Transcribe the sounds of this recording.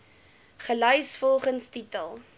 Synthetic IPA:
χəlœjsfɔlˠχənstitəlˠ

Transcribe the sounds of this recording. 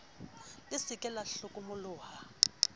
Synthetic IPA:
lɪsikʼɛlaɬukʼumuluːha

